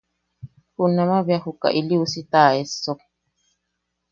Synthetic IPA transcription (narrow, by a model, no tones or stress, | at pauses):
hunːamabjahuka̰ʔiliusit̪aːesːo